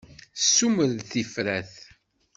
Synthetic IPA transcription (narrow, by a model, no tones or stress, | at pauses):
sːuməɾθifɾæθ